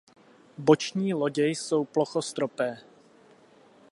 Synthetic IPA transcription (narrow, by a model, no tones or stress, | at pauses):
bot͡ʃɲiːlo̞ɟɛjso̞wploxost̪ɾopɛː